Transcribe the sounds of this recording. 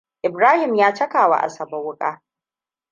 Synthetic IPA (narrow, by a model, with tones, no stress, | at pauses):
ʔɪ˨bɾaː˦hɪ˨mjaː˦t͡ʃɐ˦kaː˨wa̰˦˨ʔa̰˨sɐ˨bo˦wʊ˦kʼaː˦